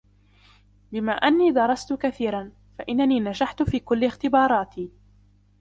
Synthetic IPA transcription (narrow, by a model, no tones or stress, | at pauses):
bɪmaːʔanːiːd̪ɑɾˤɑst̪ʊkaθiːɾan | faʔɪnːaniːnaʃaħt̪ʊfiːkʊlːɪxt̪ɪbɑːɾˤɑːt̪ʰiː